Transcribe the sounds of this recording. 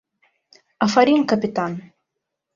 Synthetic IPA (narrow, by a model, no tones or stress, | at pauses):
afaɾʲinkapʲit̪an